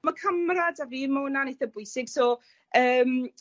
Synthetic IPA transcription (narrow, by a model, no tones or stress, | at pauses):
makʰəmradaviːmawənanejθəbʊɨsɪɡ̥sɔː | əːm